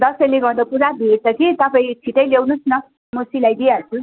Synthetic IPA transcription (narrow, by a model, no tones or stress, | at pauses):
d̪ʌsʌjleɡʌɾd̪ʌpuɾabʱeʈtʌkit̪ʌpaĩt͡sʰiʈʌjlewnusnʌ | mosilajd̪ijat͡sʰu